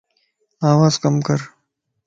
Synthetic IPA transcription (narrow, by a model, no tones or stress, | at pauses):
aːwaːzkɐmkɐɾ